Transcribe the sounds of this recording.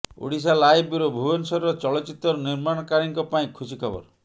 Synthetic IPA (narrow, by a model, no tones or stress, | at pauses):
o̰ɽis̬alajbiɾɔbʱubɔnsɔɾɔt͡ʃɔɭɔt͡ʃit̪ːɔɾɔniɾmaɽ̃ɔkaɾiŋkɔpaĩkʰusikʰɔbɔ̰ɾ